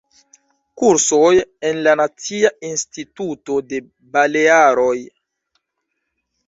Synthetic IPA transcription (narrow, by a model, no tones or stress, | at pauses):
kuɾsojenlanat͡siainstituto̞de̞ | baleaɾo̞j